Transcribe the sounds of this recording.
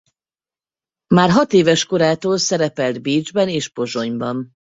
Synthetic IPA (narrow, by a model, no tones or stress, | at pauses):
maːrɦɒt̪eːvɛʃko̞ɾaːt̪oːlsɛɾɛpɛld̪biːd͡ʒbɛneːʃpo̞ʒo̞ɲbɒm